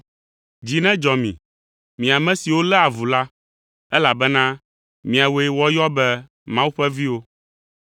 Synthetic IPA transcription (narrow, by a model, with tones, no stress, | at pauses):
d͡ʑi˨nɛ̃˦d͡ʒɔ˨mḭ̃˨ | mĩ˨a˨mɛ̃˦si˨wo˦lɛ˦a˨vu˨la˦ | ɛ˦la˨bɛ˦nã˦ | mĩ˨a˨wo˦e˦wɔ˦jɔ˦bɛ˦ | mã˦wu˦ɸɛ˦vi˦wo˦